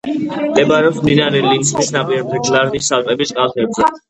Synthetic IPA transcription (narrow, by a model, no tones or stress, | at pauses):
md̪ʼɛbaɾɛɔpsmd̪inaɾɛlinsmisnapʼiɾɛb̚d̪ɛɡlaɾnisalpʼɛbisʼqʼalˠt̪ʰɛbzɛ